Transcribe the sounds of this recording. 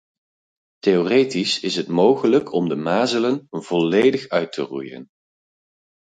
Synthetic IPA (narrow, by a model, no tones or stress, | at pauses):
tejoːrejtisɪsɦətmowχələkʰɔmdəmaːzələnv̥ɔlejdəχœɥtə̰rṵjə̰n